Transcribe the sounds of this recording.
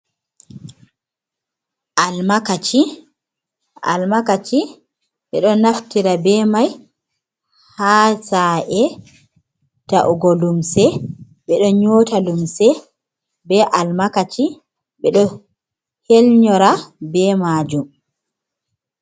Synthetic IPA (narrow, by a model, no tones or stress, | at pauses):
ʔalmakat͡ʃi | ʔa̰lmakat͡ʃi | ɓɛɗɔnaftiɾabɛmaj | haːsaʔɛ | taʔuɡɔlumsɛ | ɓɛɗɔɲoːtalumsɛ | bɛʔalmakat͡ʃi | ɓɛɗɔ | helɲɔɾabɛmaːd͡ʒum